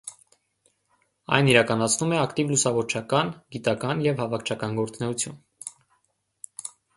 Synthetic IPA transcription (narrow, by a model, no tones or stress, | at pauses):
ɑ̰jniɾɑkɑnɑt͡sʰnumɛɑkt̪ivlusɑvɔɾt͡ʃʰɑkɑnɡit̪ɑkɑnjɛvhɑvɑkʰt͡ʃʰɑkɑnɡɔɾt͡snɛut͡sʰjṵn